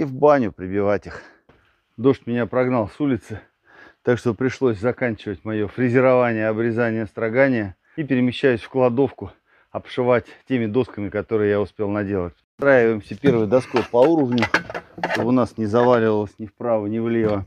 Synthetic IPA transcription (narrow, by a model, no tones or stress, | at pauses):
ivbanʲʊpɾʲɪbʲɪvatʲix | d̪o̞ʂt̪ʲmʲɪnʲapɾɐɡnɑlˠsulʲɪt̪sɨ | t̪akʂt̪o̞pɾʲɪʂlˠo̞sʲzɐkanʲt͡ɕɪvətʲmɐjo̞fɾʲɪzʲɪɾɐvanʲɪjəɐbɾʲɪzanʲɪjəst̪ɾɐɡanʲɪjə | ipʲɪɾʲɪmʲɪɕːæjʉsʲfklˠɐd̪o̞fkʊ | ɐpʂɨvatʲtʲemʲɪd̪o̞skəmʲɪkɐt̪o̞ɾɨjəjaʊspʲe̞lˠnɐdʲe̞lˠətʲst̪ɾajʲɪvəjɪmsʲəpʲe̞rvɨjd̪ɐskopɐuɾəvnʲʊʂt̪obɨʊnasnʲɪzɐvalʲɪvəlˠəsʲnʲɪfpɾavɨnʲɪvlʲevə